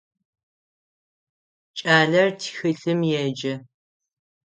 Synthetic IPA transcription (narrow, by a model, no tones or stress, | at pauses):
t͡ʃʼaːɮɐrtʰxɨɬɨmjɛd͡ʒɐ